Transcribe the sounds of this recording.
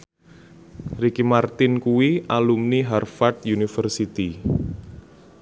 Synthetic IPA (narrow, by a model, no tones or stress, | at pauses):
rikimart̪ɪnkuwiʔalumniɦarfat̪̚junifərsit̪i